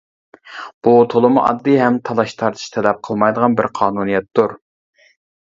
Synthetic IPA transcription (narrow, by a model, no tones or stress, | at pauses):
b̥ut̪ʰolˠɨmuʔɑ̰d̪ːɨɦɛmt̪ʰɑlˠɑʃt̪ʰɑɾt̪ʰɨ̥ʃt̪ʰɛlɛp̚qʰəlˠmɑjd̪əʁɑnbɪɾqʰɑːnunijɛt̪duɾ